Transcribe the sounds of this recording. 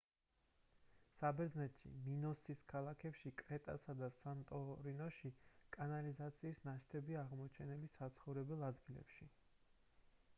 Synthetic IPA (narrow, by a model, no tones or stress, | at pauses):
sabɛɾd̪znɛt̪ʃḭminɔsiskʰalˠakʰɛpʃikʼɾɛt̪ʼa̰sad̪asant̪ʼɔɾinɔʃikʼanalizat̪sʰiːsnaʃt̪ʰɛbiaʁmɔt͡ʃʰɛnɛlisat̪sʰχɔvɾɛbɛlˠad̪ɡilɛ̰pʃi